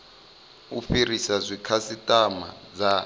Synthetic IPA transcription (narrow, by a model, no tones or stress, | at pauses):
ufirisazʷikʰasitʼama̰ | d͡za